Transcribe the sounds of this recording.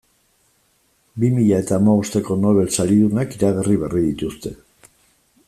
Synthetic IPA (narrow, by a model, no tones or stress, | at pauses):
bimiʎae̞t̪aːmaβost̪e̞ko̞no̞β̞e̞lsaɾiðunakiɾaɣeriβeriðit̪ust̪e̞